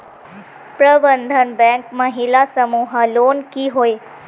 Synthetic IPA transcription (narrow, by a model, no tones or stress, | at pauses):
pɾəbənd̪ʱənbɛ̃ŋkməɦilasəmuɦəlonkiɦoj